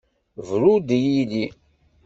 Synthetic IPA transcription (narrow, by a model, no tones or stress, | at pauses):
vɾud̪jili